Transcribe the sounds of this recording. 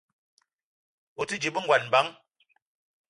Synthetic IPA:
o˨ti˦d͡ʒi˨bə˦ŋ̩˨ɡwa˨nmba˨˦ŋ

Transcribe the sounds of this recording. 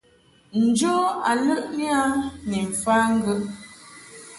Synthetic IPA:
n̩˨d͡ʒo˦a˨lə˦ʔni˦a˦ni˨m̩˨faː˦ŋ̩˦ɡə˦ʔ

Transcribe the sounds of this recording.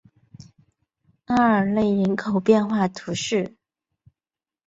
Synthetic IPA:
a˥ə˨˩le˥˩ɪɻə˧˥nkʰo˨˩ʊpjɛ˥˧nxwa˥˩t̪ʰu˧˥ʂɻ̩˥˩

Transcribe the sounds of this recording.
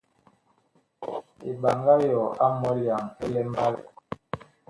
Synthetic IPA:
e˨ɓa˨ŋɡa˦jɔ˨a˦mɔ˦lja˨ŋɛ̰˦lɛ˦m˦ba˦lɛ̰˨

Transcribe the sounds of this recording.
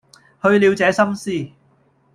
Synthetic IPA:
hɵ˧ɥli˨˧wt͡sɛː˨˧sɐ˥msiː˥˩

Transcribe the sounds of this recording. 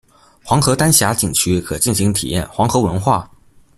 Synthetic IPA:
xwɑ˧˥ŋxɤ˧˥t̪a˥nɕja˧˥t͡ɕi˨˩ŋt͡ɕʰy˥kʰɤ˨˩t͡ɕi˥˩nɕi˧˥ŋt̪ʰḭ˨˩jɛ̰˥˩nxwɑ˧˥ŋxɤ˧˥wə˧˥nxwa̰˥˩

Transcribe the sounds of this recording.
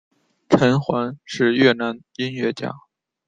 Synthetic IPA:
ʈ͡ʂʰə˧˥nxwa˧˥nʂɻ̩˥˧ɥɛ˥˩na˧˥n | i˥nɥɛ˥˧t͡ɕja̰˥˩

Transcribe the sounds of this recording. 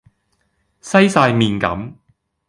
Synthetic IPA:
sɐ˥jsaː˧jmiː˨nkɐ̰˨˥m

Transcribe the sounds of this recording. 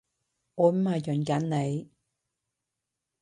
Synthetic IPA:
ɔː˨˧m̩˦aː˨jœ˨˩nka˨˥nne˨˧j

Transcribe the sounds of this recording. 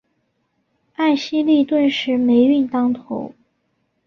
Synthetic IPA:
a˥˩ɪɕi˥li˥˧t̪wə˥˧nʂɻ̩˧˥me˧˥ɪy˥˩nt̪ɑ˥ŋt̪ʰo˧˥ʊ

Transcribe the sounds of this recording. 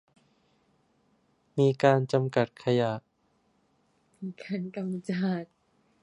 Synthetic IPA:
miː˧kaː˧nt͡ɕa˧mka˨˩t̪̚kʰa˧ja˨˩ʔ | miː˧˩kʰa˧˥nka˧m˧t͡ɕaː˧˩t̪̚

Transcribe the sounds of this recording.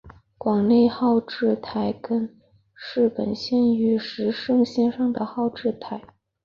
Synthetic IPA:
kwɑ˨˩ŋne˥˧ɪxɑ˥˧ʊʈ͡ʂɻ̩˥˩t̪ʰa˧˩ɪkə˥n | ʂɻ̩˥˩pə̰˨˩nɕjɛ˥˧˩ny˧˥ʂɻ̩˧˥ʂɤ˥˧ŋɕjɛ˥˧nʂɑ˥˩ŋd̪ə˩xɑ˥˧ʊʈ͡ʂɻ̩˥˩t̪ʰa˧˩˦ɪ

